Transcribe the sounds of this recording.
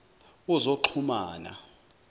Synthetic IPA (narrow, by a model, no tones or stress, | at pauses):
uzoǃʰumaːna̰